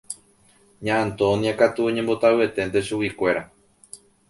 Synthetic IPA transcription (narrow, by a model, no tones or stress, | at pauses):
ɲãʔãnt̪oõnĩakat̪uoɲẽmbo̞t̪awe̞t̪e̞nt̪eʃuwikʷe̞ɾa